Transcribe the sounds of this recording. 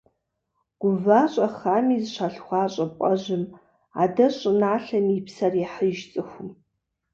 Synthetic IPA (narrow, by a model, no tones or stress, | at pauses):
ɡ̥ʷʊvaːɕʼɐχaːmiːzʃʷaɬxʷɑːɕʼɐpʷʼɐʑɪm | a̰dɐɕʼɨnaːɬɐmipʰsɐrjɛħəʒt͡sʼɨxʷʊm